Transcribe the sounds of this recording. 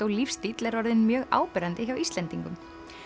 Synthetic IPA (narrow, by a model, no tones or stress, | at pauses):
owlifst̪it̪lɛɾvɔɾðɪnmjœːɣa̰ːwpɛɾant̪ɪçawist̪ɛnt̪iŋkʏm